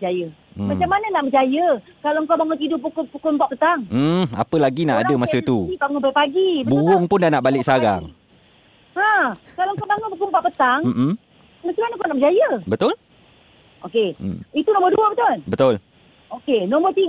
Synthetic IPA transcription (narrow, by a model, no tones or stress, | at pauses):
d͡ʒajəmat͡ʃamːananaʔməd͡ʒajəkalaŋkawbaŋɔnt̪idʊʔpukʊpukʊmpaʔpət̪aŋ̩a̰pəlaɡinaʔadəmasət̪uibaŋɔnpaipaɡibəbuɣʊŋpʊndanaʔbalɪksaɾa̰ŋ | akalaŋkawbaŋʊnpəkʊmpaʔpət̪aŋm̩m̩ | mat͡ʃamanaŋkawnaʔməd͡ʒajəbət̪ʊl | ʔokeit̪unɔ̃mərduəbət̪olbət̪ʊl | okenɔmərt̪i